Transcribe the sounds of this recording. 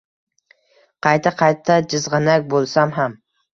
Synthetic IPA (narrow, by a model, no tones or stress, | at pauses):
qʰɑjt̪ʰaqʰɑjt̪ʰːad͡ʒɪzʁɑnak̚ʲbolˠsamɦam